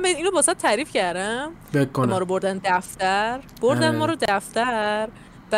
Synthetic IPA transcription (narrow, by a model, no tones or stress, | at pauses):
mbeid̪iːnobɒːsæt̪̚t̪ʰæɾiːfcæɾd̪æmeːemɒːɾoboɾd̪ænd̪æft̪æɾb̥oɾd̪ænmɒːɾod̪æft̪æɾ | b̥æ